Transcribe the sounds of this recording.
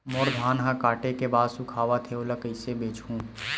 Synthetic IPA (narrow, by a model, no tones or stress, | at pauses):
moːɾd̪ʱaːnɦãkaːʈekebaːd̪sʊkʰaːʋat̪ʰeoləkəɪsebeːt͡ʃũː